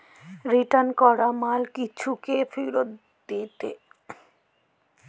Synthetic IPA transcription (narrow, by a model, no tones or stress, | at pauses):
ɾiʈankɔɾamalkit͡ɕʰukefiɾot̪ | d̪it̪ḛ